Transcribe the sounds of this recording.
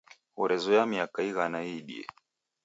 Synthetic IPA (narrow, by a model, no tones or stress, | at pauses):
uɾɛzɔjamiakaiɣanaiɗḭɛ̰